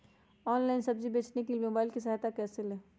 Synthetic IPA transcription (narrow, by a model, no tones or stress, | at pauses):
ɔːnlaːɪnsɐbd͡ʒibeːt͡ʃnekimoːbaːɪlkisɐɦaːt̪akɛːselɛː